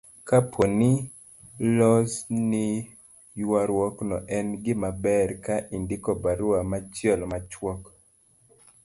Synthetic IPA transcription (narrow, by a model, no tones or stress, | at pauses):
kapʰonɪ | lɔsnɪ | jwaɾwɔknɔʔɛnɡɪmabɛɾkaʔindɪkɔbaɾuamat͡ʃjɛlmat͡ʃwɔk